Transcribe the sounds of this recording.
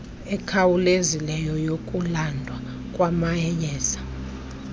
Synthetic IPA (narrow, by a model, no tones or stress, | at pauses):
ɛkʰawulezilɛjɔjokʼulandʱwa | kʼwamaɛjɛːzḁ